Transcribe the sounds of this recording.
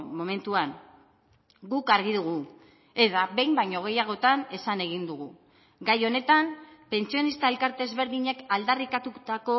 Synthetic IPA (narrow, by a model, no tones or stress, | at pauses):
mo̞me̞nt̪uan | ɡukaɾɣ̞iðuɣ̞u | e̞ðaβe̞jmbajɲoɣ̞e̞jaɣ̞o̞t̪ane̞sane̞ɣ̞ind̪uɣu | ɡajo̞ne̞t̪ampe̞nsio̞nist̪ae̞lkaɾt̪e̞zβe̞ɾðiɲe̞kald̪arikat̪ut̪ako̞